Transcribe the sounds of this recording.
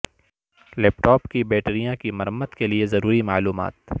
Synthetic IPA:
lɛːpʈɔːpkibɛːʈɾijãkimɐɾəmːət̪keliezɐɾuːɾimaːluːma̰ːt̪

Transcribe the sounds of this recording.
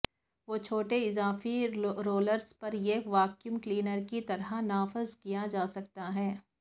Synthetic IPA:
ʋoːt͡ʃʰoːʈeɪzaːfiɾoːləɾspɐɾjeʋaːkjumkliːnəɾkit̪ɐɾanaːfɪzkijad͡ʒaːsɐk̚t̪aɦɛː

